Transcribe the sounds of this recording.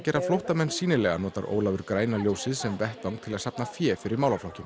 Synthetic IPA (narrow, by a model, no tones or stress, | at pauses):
cɛːɾaflowht̪amɛnːsiːnɪlɛɣanɔːt̪aɾʔo̰ːwlavʏɾkɾaːjnaljowsɪðsɛmvɛht̪awŋk̚t̪ʰɪlaðsapnafjɛːfɪɾɪɾmawlaflɔhcʏm